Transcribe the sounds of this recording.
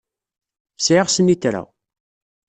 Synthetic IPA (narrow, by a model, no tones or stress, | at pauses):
sʕɪʁsənit̪ɾa̰